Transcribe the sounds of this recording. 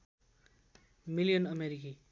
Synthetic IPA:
milijʌnʌmeɾiki

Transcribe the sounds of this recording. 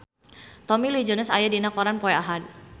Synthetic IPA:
t̪ɔmilid͡ʒɔnəsajadinakɔɾanpɔɛaɦad̚

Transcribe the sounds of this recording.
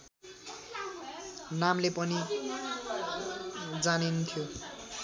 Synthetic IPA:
namlepʌni | d͡zanint̪ʰjo

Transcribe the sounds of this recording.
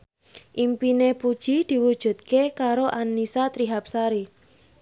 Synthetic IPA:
ʔimpinepud̥ʒ̥id̪̥i̤wud̥ʒ̥ṳt̪̚kekaɾoʔanːisat̪ɾiɦap̚saɾi

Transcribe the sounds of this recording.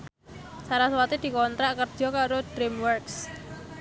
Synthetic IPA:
saɾaswat̪id̪̥i̤kɔnt̪ɾaʔkərd̥ʒ̥ɔ̤kaɾod̪̥ɾimwərks

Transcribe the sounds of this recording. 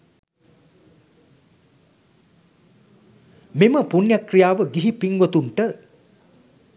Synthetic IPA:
miməpunjakrijaːʋəɡiɦipiŋɡot̪uɳʈə

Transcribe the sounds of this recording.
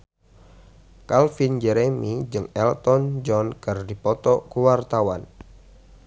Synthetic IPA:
kalfind͡ʒɛɾemid͡ʒɨŋɛlt̪ɔnd͡ʒɔnkɨrdipɔt̪ɔkuwart̪awan

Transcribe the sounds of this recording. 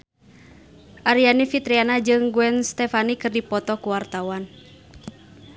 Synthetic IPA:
ʔaɾianifit̪ɾianad͡ʒɨŋɡuɛnst̪ɛfanikɨrdipɔt̪ɔkuwart̪awan

